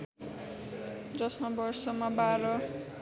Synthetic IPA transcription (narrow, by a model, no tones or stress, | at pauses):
d͡zʌsmabʌrsʌmabaɾʌ